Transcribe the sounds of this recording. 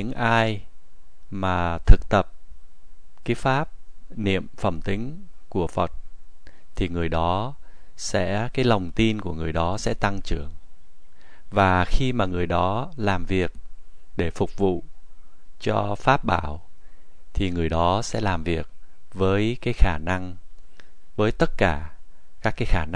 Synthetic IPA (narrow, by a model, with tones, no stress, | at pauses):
ɨ̰˧˥ŋʔaː˧j | maː˨˩t̪ʰɨ˨˩k̚t̪ə˨˩p̚ | kaː˨˦jfaː˦˥p̚nḭ˧˨əmfə˧˩mt̪ï˨˦ŋ̟ku˧˩əfə˨˩t̚ | t̪ʰi˨˩ŋɨ˨˩əjɗɔ˨˦ | sɛ̰˧˥kaː˨˦jlə˨˩wŋ͡mt̪i˧nku˧˩əŋɨ˨˩əjɗɔ˨˦sɛ̰˧˥t̪a˧ŋt͡ɕɨ˧˩əŋ | vaː˨˩xi˧maː˨˩ŋɨ˨˩əjɗɔ˨˦laː˨˩mvi˨˩ək̚ɗe˧˩fʊ˨˩k͡p̚vṵ˧˨ | t͡ɕɔ˧faː˦˥p̚ɓaː˧˩w | t̪ʰi˨˩ŋɨ˨˩əjɗɔ˨˦sɛ̰˧˥laː˨˩mvi˨˩ək̚vəː˨˦jkaː˨˦jxaː˧˩na˧ŋ | vəː˨˦jt̪ə˦˥t̚kaː˧˩ | kaː˦˥kːaː˨˦jxaː˧˩n˧